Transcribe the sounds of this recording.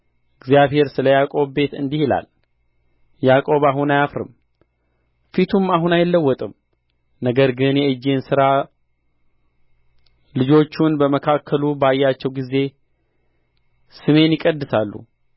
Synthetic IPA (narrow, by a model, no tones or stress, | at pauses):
ɨɡzjaβhe̞ɾsɨləjakʼo̞βbe̞t̪ɨ̰nd̪ihila̰l | jakʼo̞βaɦunajafɾɨ̰m | fit̪ʰumːaɦunajɪlːəwːɔt̪ʼɨm | nəɡəɾɡɨnjɛɨd͡ʒːensɨɾa | lɨd͡ʒo̞t͡ʃːunbəməkʰakʰːəlubajːat͡ʃːɛwɡize̞ | sɨme̞njɪkʼəd̪ːɨsalːṵ